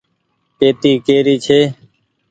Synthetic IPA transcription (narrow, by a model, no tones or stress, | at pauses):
peːt̪iːkeːɾiːt͡ʃʰeː